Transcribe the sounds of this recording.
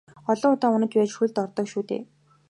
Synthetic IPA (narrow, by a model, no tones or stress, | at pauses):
ɔɮɞ̆ŋʊt̪aːʊnə̆t͡ɕpæːt͡ɕxuɮt̪ɔrt̪ɞ̆kʃuːt̪ḛː